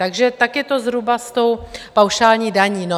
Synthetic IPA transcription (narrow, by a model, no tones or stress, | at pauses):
t̪aɡʒɛt̪akjɛt̪o̞zɾubast̪o̞wpawʃaːlɲiːdaɲiːno